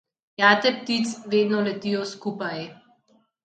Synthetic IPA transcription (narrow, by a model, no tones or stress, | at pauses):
jaːt̪ɛpt̪it̪sʋeːd̪nɔlɛt̪ijɔskuːpaj